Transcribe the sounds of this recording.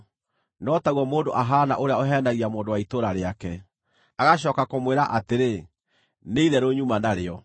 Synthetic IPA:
nɔtaɣɔmoːndoʔaɦaːna̰ʔoɾeaoɦɛːndaɣiamoːndowaitoːɾaɾeakɛ | aɣaɕ̬ɔkakomweːɾaʔateɾe | neiðɛɾoɲumanaɾeɔ

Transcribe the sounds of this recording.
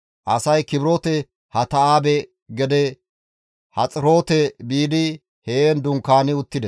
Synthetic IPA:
ʔɐsɐjkɪbɾoːt̪ɛ | hɐt̪ɐaːbɛ | ɡɛd̪ɛ | hɐt͡sʼɪɾo̞ːt̪ɛbiːd̪ɪ | heːnd̪ʊŋkːaːnɪʊt̪ːɪd̪ɛs

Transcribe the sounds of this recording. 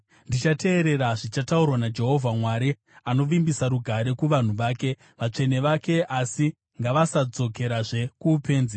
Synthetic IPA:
ndit͡ʃate̞ːɾe̞ɾaʐit͡ʃataurwanad͡ʒe̞ɦo̞vʱamwaɾi | ano̞ʋimbisaɾuɡʱaɾe̞kuʋan̤uʋaːke̞ | ʋat͡ʂe̞ne̞ʋake̞asi | ŋɡaʋasad͡zo̞ke̞ɾaʐe̞kuːpe̞ːnzi

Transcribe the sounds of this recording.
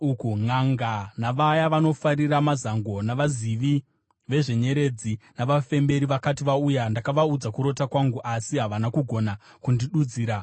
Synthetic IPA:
ukuŋaŋɡanaʋajaʋano̞faɾiramazaŋɡo̞naʋaziʋi | ʋe̞ʐe̞ɲe̞ɾe̞d͡zinaʋafe̞mbe̞ɾiʋakatiʋaujandakaʋaud͡zakuɾo̞takwaŋɡuʔasiɦaʋanakuɡʱo̞na | kundiɗud͡ziːɾa

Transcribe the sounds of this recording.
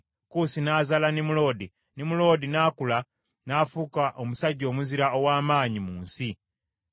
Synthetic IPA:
kusinaːzalanimulo̞di | nimulo̞ːdinaːkula | naːfukaʔomusaɟo̞ːmuziɾaowaːmaːɲimuːnsi

